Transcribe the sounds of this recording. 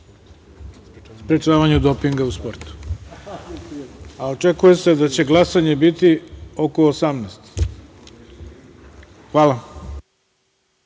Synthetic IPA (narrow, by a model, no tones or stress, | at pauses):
spɾet͡ʃaːʋaɲud̪o̞piŋɡauspo̞ɾt̪u̥ | ao̞t͡ʃekuje̞se̞d̪at͡ɕe̞ɡlˠasaɲe̞bit̪io̞ko̞ːsamnɛːst̪ | xʋaːla